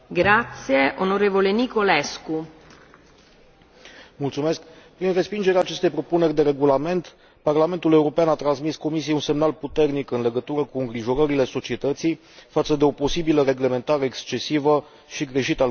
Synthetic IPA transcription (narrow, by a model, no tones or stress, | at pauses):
ɡɾat̪sjeʔonoɾevolenikolesku | mult̪sume̞skpɾinre̞spind͡ʒe̞ɾeaːt͡ʃe̞st̪e̞jpɾo̞pune̞rʲd̪e̞ɾe̞ɡulame̞nt̪ | parlame̞nt̪ule̞uɾo̞peanat̪ɾansmisko̞misijeunse̞mnalput̪e̞rnikɨnle̞ɡət̪uɾəkuɨŋɡɾiʒo̞ɾəɾile̞so̞t͡ʃie̞t̪ət̪sij | fat̪səd̪e̞o̞po̞sibiləɾe̞ɡle̞me̞nt̪aɾe̞ːkst͡ʃe̞sivə | ʃiɡɾe̞ʃit̪ə